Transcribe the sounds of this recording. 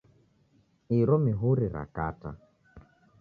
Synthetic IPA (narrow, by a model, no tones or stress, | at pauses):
iɾɔmiɦuɾiɾa̰kata̰